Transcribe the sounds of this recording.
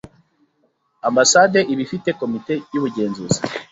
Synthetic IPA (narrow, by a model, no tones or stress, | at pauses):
ambasade̞ʔiβifite̞ko̞mite̞juβuɟe̞ːnzuzi̥